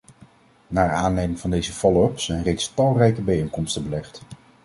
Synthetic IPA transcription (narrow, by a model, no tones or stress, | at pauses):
naːɹaːnlejmɪŋvɑndejzəvɔlœpsɛjnrejtstɑlˠrɛjkəbɛejŋkɔmstəbəlɛχt